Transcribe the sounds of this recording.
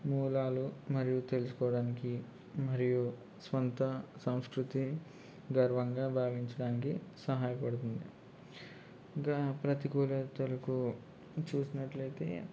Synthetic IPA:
muːlaːlumɐɾijut̪e̞lusu̥kɔːɐɽaːniki | mɐɾiju | sʋɐnt̪ɐsɐmskɾut̪i | ɡɐɾʋɐŋɡaːbʱaːʋiɲt͡ʃɐɽaːnikisɐɦaːjɐpɐɽut̪und̪ḭ | kɐpɾɐt̪iɡuːlɐt̪ɐlɐku | t͡ʃuːsinɐʈlɐjt̪e̞̰ː

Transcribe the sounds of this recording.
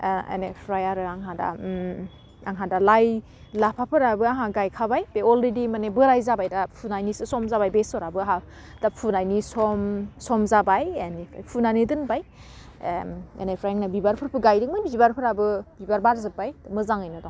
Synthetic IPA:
ḛnepʰɾajaɾɯaŋɦada̰ | a̰ŋɦadalaj | lapʰapʰɯɾabɯaɦaɡajkʰabajbeɔlɾedimanebɯɾajzabajdapʰunajnisɯsɔmzabajbesɔɾabɯaɦa | d̥apʰunajnisɔmsɔmzabajenepʰajpʰunanidɯnbaj | ḛnepʰɾajaŋnabibaɾpʰɯɾpʰɯɡajdɯŋmanbibaɾpʰɯɾabɯbibaɾbaɾzɯpːajd̥mɯzaŋajnɔdɔ

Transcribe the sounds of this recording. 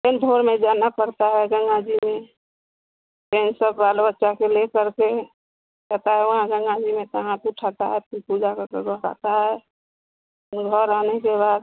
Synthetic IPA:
t̪end̪ʱoɾmẽd͡ʒanapəɾt̪aɦɛɡəŋɡad͡ʒimẽ | t̪ensəbːalbətːʃakelekəɾke | kɛt̪aɦɛʋəɦãɡəŋɡad͡ʒimẽt̪əɦãt̪uʈʰat̪aɦɛppud͡ʒakəɾkəɾəɾa̰t̪aɦɛ | ɡʱəɾanekeβaːd̪̚

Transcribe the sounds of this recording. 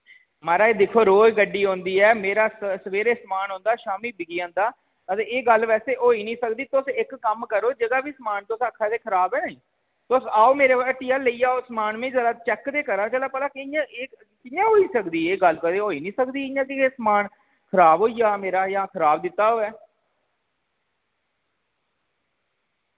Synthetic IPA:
maːɾaːeːd̪ɪkʰːoːɾoːd͡ʒɡəɖiːɦõːnd̪iːɛːmeːɾaːssəʋeːɾeːsəmaːnɦõːnd̪aːʃaːmiːbɪɡiːãːnd̪aː | ət̪eːeːɡəlʋɛːseːʔoːiːnĩːsəkd̪iːt̪ʊsɪkːəmkəɾoːd͡ʒəɡaːbiːsəmaːnt̪ʊsəkʰːaːt̪eːkʰəɾaːbɛːnəĩː | t̪ʊsaːoːmeːɾeːaʈiːaːləiːaːoːsəmaːnmẽːd͡ʒəlaːt͡ʃɛkːd̪eːkəɾaːt͡ʃəlaːpəlaːkɪɪjãːʔeː | kɪjãːɦoːiːsəkd̪iːeːɡəlkəd̪eːɦoːiːnĩːsəkd̪iːɪjãːkɪeːsmaːn | kʰəɾaːbɦoːiːaːmeːɾaːjãːkʰəɾaːbd̪ɪt̪ːaːɦoːɛː

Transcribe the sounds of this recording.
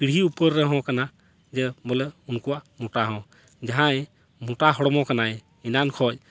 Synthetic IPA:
piɽ̤ɦiupəɾːɛɦɔ̃kana | d͡ʒɛbɔlɛunkuwamuʈaɦɔ̃ | d͡ʒaɦãj | muʈaɦɔɽɔmɔ̃kanaj | inankʰɔj

